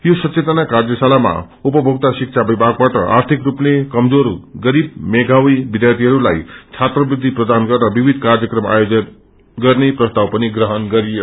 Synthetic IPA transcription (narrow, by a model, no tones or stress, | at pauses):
josʌt͡ʃet̪ʌnakard͡zʌsalama̰ | upʌbʱʌɡ̚t̪asik̚t͡sʰabibʱaɡ̚baʈʌ̰ʔa̰rt̪ʰikrupnekʌmd͡zoɾɡʌɾib̚meɡʱawibid̪jat̪iɦʌɾula̰jt͡sʰat̪rʌbrid̪ʱiprʌd̪anɡʌrnʌbibʱid̪ʱkard͡zʌkrʌma̰jod͡zʌn | ɡʌrneprʌst̪awpʌniɡrʌɦʌnɡʌɾijo